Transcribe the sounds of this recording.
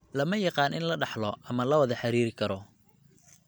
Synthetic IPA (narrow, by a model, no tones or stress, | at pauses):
lɐmɐjɑqɑːnʔɪ̰nlɐɖɑħlɔʔɐmɐlɐwɐðɐħɑɾiːɾɪkʰɐɾɔ